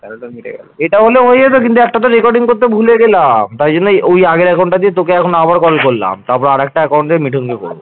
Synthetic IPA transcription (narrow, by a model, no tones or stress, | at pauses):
miʈʰḛɡloeʈaɦoleɦoed͡ʑet̪okint̪uɛk̚ʈat̪oɾekɔɾɖiŋkoɾt̪ebʱuleɡelamt̪aɾd͡ʑonːeojaɡeɾɛkawɳʈad̪iet̪okeɛkʰonabaɾkɔlkolːa̰mt̪aɾp̬ɔɾeaɾɛk̚ʈaɛkawɳdemiʈʰiŋkekɔ̰ɾbo̰